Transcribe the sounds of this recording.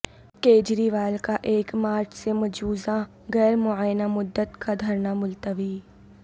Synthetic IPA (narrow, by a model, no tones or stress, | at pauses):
keːd͡ʒɾiʋaːlkaʔeːkmaːɾt͡ʃsemɐd͡ʒuːzã | ɣɛːɾmʊaːjnamʊd̪ːət̪kad̪ʱɐɾnamʊlt̪əʋi